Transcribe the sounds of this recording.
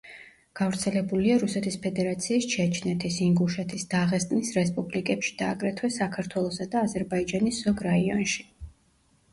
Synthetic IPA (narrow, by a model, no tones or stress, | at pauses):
ɡ̥avɾt̪sʰɛlɛbuliaɾusɛt̪ʰispʰɛd̪ɛɾat̪sʰiːst͡ʃʰɛt͡ʃʰnɛt̪ʰisiŋɡuʃɛt̪ʰisd̪aʁɛst̪ʼnisɾɛspʼublikʼɛpʃi̥d̪̥aːɡɾɛt̪ʰwɛsakʰaɾt̪ʰwɛlˠɔsad̪aːzɛɾbaid͡ʒanisz̥ɔɡɾaiɔ̰nʃi̥